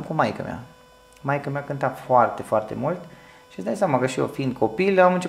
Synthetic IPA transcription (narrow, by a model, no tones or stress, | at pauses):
mkumajkə̰mja̰ | majkəmjakɨnt̪afoart̪e̞foart̪e̞̰mult̪ | ʃi̥sd̪aj̪sʲjamakəʃijo̰fiind̪̚kʰo̞pilamɨnt͡ʃe